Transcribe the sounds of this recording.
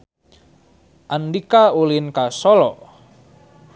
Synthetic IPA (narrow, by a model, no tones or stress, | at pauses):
ʔandikaulinkasɔlɔ̰